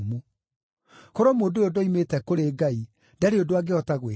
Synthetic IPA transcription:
mu | koɾomoːndojodoimetɛkoɾeɡai | dɛɾeodoaɡeɔtaɣwe

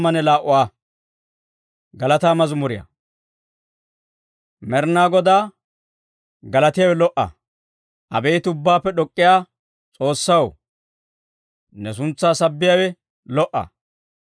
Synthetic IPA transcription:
mːɐnɛlaːʔʊwaː | ɡɐlɐt̪aːmɐzʊmʊɾɪjɐ̰ | mɛɾnaːɡɔd̪aː | ɡɐlɐt̪ɪjawɛlɔʔɐ̰ | ʔɐ̰bejt̪ʊbːaːpːɛɗɔkʼːɪjaː | t͡sʼo̞ːsːɐw | nɛs̬ʊnt͡sːaːsɐbːɪjawɛ | lɔʔɐ̰

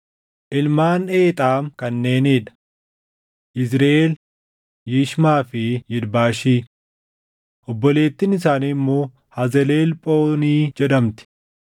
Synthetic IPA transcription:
ʔɪlmaːneːt̪ʼaːmkɐnːe̞ːneːᶑɐ̥ | ʔɪzɾɐʔeːl | jiːʃmaːfɪjɪdbaːʃiː | ʔɔbːɔle̞ːt̪ːɪnɪsaːnimːo̞ː | hɐzɛle̞ːlpʼoːniːd͡ʒɛᶑɐmt̪ɪ̥

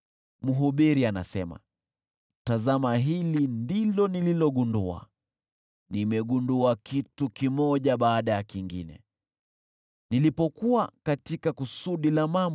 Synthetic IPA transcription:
muɦuɓiɾiana̰sɛma̰ | tazamaɦilindilɔnililɔɠundua̰ | nimɛɠunduakitukimɔʄaɓaːɗajakiŋɡḭnɛ̰ | nilipɔkuakatikakusuɗilamamb

